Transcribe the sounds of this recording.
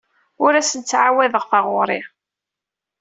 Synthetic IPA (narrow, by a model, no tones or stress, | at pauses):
ʊɾæsənt͡sːʕawæðəʁfɑʁʊɾˤiʁ